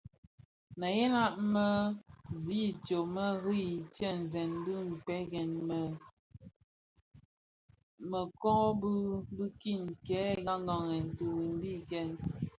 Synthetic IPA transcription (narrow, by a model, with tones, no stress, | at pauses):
mə˨je˦na˦ʔmə˦zi˦˨t͡ʃo˨mə˦ɣi˦i˨tɛ˦n̩˨zɛ˨nbi˦m̩˨pɛ˦ɡɛ˨n˨ | mə˨kɔ˦bu˦bu˦ki˦˨nkɛ˨˦ɡa˦ŋ˦ɡɔ˨ŋɛ˨n̩˨tu˨wi˨m˦bi˦kɛ˦˨n